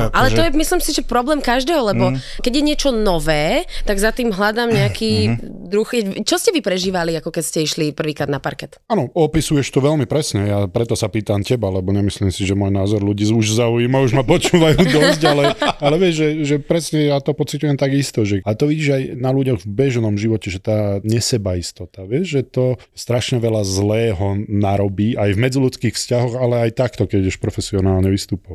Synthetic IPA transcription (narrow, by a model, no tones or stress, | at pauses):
alɛt̪ɔjɛmisliːmsiʒɛpɾɔblɛːmkaʒd̪ɛːɦɔlɛbɔkɛɟjɛɲɪɛt͡ʃɔnɔʋɛːt̪aɡzat̪iːmɦlad̪aːmɲɛakʰiːd̪ɾuxɛt͡ʃɔscɛʋipɾɛʒiːʋaliakɔkɛcscɛiʃlipr̩ʋiːkɾaːd̪napaɾkɛt̪aːnɔɔpisujɛʃt̪ɔʋɛlmipɾɛsɲɛjapɾɛt̪ɔsapiːt̪amcɛbalɛbɔɲɛmisliːmsiʒɛmɔjnaːzɔɾluɟiːuʒzaujimauʒmapɔt͡ʃuːʋajuːd̪ɔzɟalɛalɛʋɪɛʒʒɛʒɛpɾɛsɲɛjat̪ɔpɔt͡sicujɛmt̪aɡist̪ɔʒɛat̪ɔʋiɟiːʒajnaluɟɔɣvbɛʒnɔmʒiʋɔcɛʒɛt̪aːɲɛsɛbaist̪ɔt̪aʋɪɛʒʒɛt̪ɔ | st̪ɾaʃɲɛʋɛlazlɛːɦɔnaɾɔbiːajvmɛd͡zilut͡skiːxfscaɦɔɣalɛajt̪akt̪ɔkɛɟɛʃpɾɔfɛsiɔnaːlɲɛʋist̪uːpɔʋa